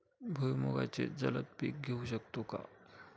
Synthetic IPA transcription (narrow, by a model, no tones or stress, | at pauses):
bʱujmoɡa̰t͡sḛd͡zələt̪̚piːk̚ɡʱeuɕək̚t̪oka̰